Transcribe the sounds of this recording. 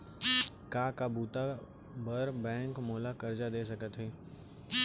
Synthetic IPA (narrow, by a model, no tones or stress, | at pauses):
kaːkabuːt̪a | bəɾbɛ̃ːŋkmoːlakɐɾd͡ʒad̪eːs̬ɐkət̪ɦɛː